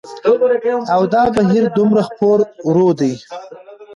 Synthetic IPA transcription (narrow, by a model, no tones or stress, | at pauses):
awd̪ɑbaɦiɾd̪ʊmɾaxpoɾɾod̪aj